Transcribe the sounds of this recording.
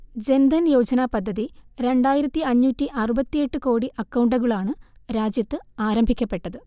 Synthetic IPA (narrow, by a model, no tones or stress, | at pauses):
d͡ʑe̞nd̪ʱɐnjo̞ːd͡ʑɐnaːpɐd̪ʱːɐðiɾe̞ɳɖaːjiɾɐt̪ːiɐɲːuːtːiʔɐrubɐt̪ːije̞ʈːɨko̞ːɽiʔɐkːɐwɳɖɐɣɐɭaːɳɨɾaːd͡ʑjɐt̪ːɨaːɾɐmbʱikʲːɐpːe̞ʈːɐðɨ